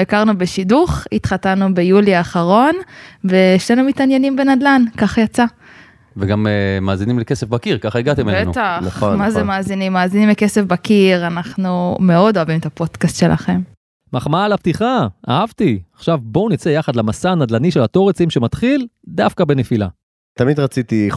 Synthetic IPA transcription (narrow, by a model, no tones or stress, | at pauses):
ekaʁnubeʃiduχit̪χat̪anube̞juliaːχaʁo̞nve̞eʃlenumit̪anje̞nimbe̞nad̪lankaχjat͡sa | veɡamemaːzinimlekesefbakiʁkaχaiɡat̪emelbenṵt̪aχmazemaːzinimːaːzinimleke̞sefbakiʁanaχnume̞o̞do̞avimet̪apo̞d̥kast̪ʃe̞lʔa̰χe̞m | maχmalaptiχaʔaavt̪iaχʃavbo̞nit͡sejaχad̪lamasanad̪laniʃe̞lat̪o̞ʁet͡simʃemat̪χil | d̪afkabe̞nefila̰ | t̪amid̪ʁat͡sit̪i